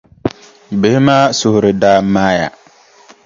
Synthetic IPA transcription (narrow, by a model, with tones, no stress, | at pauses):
bɪ˨hɪ˦maː˦sʊ˨hʊ˨ɾɪ˨daː˦maː˦ja̰˨